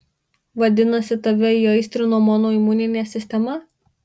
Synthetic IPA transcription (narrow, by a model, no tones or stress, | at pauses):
ʋɐd̪ʲɪnɐsʲɪt̪ɐʋʲɛiːɐɪsʲt̪ʲɾɪnuɔmɔːnoːimunʲɪnʲeːsʲɪsʲt̪ʲɛmɐ